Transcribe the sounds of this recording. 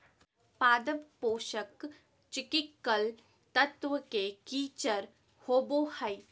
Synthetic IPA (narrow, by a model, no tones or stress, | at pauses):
paːd̪əbpoːʃək | t͡ʃɪkɪkːəl | t̪ət̪ʋəkekiːt͡ʃəɾ | hoːbohɐi